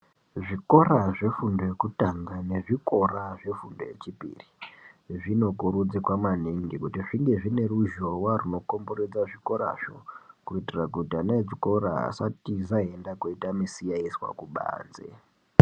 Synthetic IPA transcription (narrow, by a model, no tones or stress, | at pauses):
ʐiko̞raʐe̞fundo̞jekutaŋɡane̞ʐiko̞raʐe̞fundo̞̰je̞̰t͡ʃipḭriʐino̞kuɾud͡zikwamaniŋɡikutiʐiŋɡe̞ʐine̞ruʒo̞waruno̞ko̞mbo̞re̞d͡zaʐiko̞ɾa̰ʐo̰kuitirakutianad͡ziko̞ɾaɦa̰satizaɦe̞ndakoitamisijaiswa̰kuɓa̰ːnd͡zḛ